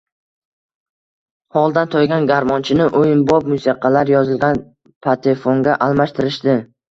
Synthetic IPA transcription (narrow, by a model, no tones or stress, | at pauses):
hɒlˠd̪ant̪ʰojɡʲanɡʲaɾmɒnt͡ʃʰɪnɪʔojɪnbɒp̚mʊsiqʰɑlaɾjɒzɪlɡʲan | pʰat̪ʰefoŋɡʲaʔalˠmaʃt̪ʰɪɾɪʃd̪ɪ